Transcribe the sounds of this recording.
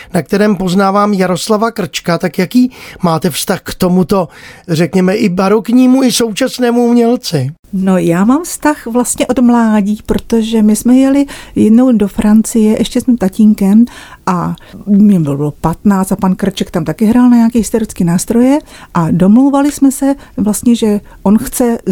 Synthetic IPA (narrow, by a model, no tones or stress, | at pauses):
nak̚t̪ɛɾɛːmpo̞znaːvaːmjaɾo̞slavakr̩t͡ʃkat̪akjakiːmaːt̪ɛfst̪axkt̪o̞mut̪o̞rɛkɲɛmɛʔɪbaɾokɲiːmuɪso̞wt͡ʃasnɛːmuumɲɛlt͡sɪ | no̞jaːmaːmfst̪axvlast̪ɲɛʔo̞dmlaːɟiːpɾo̞t̪oʒɛmɪsmɛjɛlɪjɛdno̞wdo̞fɾʔant͡sɪjɛʔɛʃcɛsmimt̪aciːŋkɛmʔamɛmbɪlbɪlopat̪naːt͡st̪apankr̩t͡ʃɛkt̪amt̪akɪɦɾaːlnaɲakiɦɪst̪oɾɪt͡skinaːst̪ɾo̞jɛ | ʔado̞mlowvalɪsmɛsɛvlast̪ɲɛʒɛ | ʔo̞nxt͡sɛ